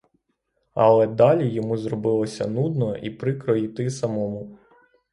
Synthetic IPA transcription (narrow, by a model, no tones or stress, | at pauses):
ɐlˠɛd̪ɑlʲijɔmuzrɔbɪlˠɔsʲɐ̰nud̪nɔʔipɾɪkɾɔjit̪ɪsɐmɔmʊ